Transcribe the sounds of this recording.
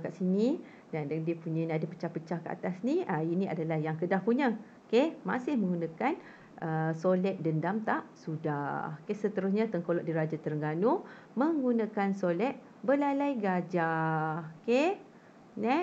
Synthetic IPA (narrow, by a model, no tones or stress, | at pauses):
kaʔsini | dandiəpuɲanadapə̥t͡ʃahpət͡ʃahkəʔa̰t̪asniəiniadalahjaŋkədahpuɲã | kema̰sɪhməŋɡunãkan | ʔəsolɛʔ̪̚dəndamt̪aʔ̚suda̰hkesət̪əɾʊsɲãt̪əŋkolɔʔdiɾad͡ʒat̪əɾəŋɡanu | məŋɡunãkansolɛʔ̪̚ | bəlalajɡad͡ʒa | ke | nɛ